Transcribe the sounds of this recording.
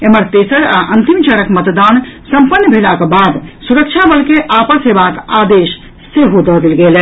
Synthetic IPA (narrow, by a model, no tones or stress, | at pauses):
eməɾt̪esəɾaʔənt̪imt͡ʃəɾəkmət̪d̪ansə̃mpənːjəbʱelakebad̪suɾəkt͡ʃʰabəlkeʔapəsɦebakad̪eʃ | seɦod̪ɔd̪elɡelɛ